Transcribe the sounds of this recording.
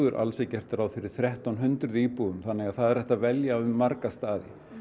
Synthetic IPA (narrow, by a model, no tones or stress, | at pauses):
ɣʏɾʔa̰lsɛcɛr̥t̪ɪɾawðfɪɾɪɾ̥θɾjɛht̪awnɦʏnt̪ɾʏðiːpuðʏmθanːɛɣaðθaðɛɾ̥ɛht̪avɛljaʏmːaɾkast̪aːðɪ̰